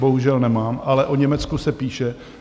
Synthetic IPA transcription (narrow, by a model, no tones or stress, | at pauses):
boɦuʒɛlnɛmaːmʔalɛʔoɲɛmɛt͡skusɛpiːʃɛ